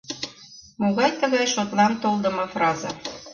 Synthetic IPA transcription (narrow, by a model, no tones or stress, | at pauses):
moɣɑjt̪əɣɑjʃot̪lɑnt̪olˠd̪əmɤfrɑzɑ